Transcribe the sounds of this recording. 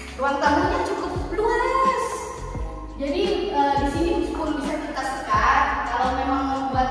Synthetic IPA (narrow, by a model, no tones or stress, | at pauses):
ruaŋt̪amuɲat͡ʃukʊp̚bluaraas | d͡ʒadiədisinibuskʊrbisak̪ət̪ast̪ə̥kat̪̚kalawmemaŋəba